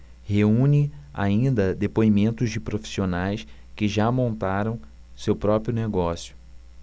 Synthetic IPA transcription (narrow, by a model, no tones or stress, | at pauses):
heũnɪa̰ĩnd̪ɐd̪epoimẽnt̪ʊzd͡ʒɪpɾofi̥sionajs | kɪʒamõnt̪aɾɐ̃w̃ | sewpɾɔpɾjʊneɡɔsjʊ̥